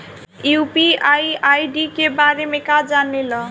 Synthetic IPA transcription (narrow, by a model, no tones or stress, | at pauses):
jupiajajɖikebaɾemekad͡zanelʌ